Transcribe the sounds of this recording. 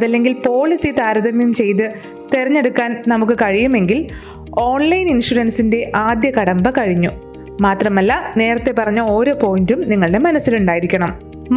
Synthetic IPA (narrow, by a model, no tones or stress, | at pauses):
ɐðɐlːe̞ŋɡilpo̞ːɭisit̪aːɾɐðɐmjumt͡ɕe̞jt̪̬ɨ | t̪eɾɐɲːe̞ɽukːaːnnɐmukːɨkɐɻijume̞ŋɡil | o̞ːɳlɐjninʂuɽɐnsinde̞ʔaːd̪jɐkɐɽɐmbɐkɐɻiɲːu | maːt̪rɐmɐlːɐne̞ːrɐt̪ːe̞pːɐrɐɲːɐo̞ːɾo̞ːpo̞ːjindumniŋːɐɭɨɽe̞mɐnɐsːiluɳɖaːjiɾikʲːɐɳɐm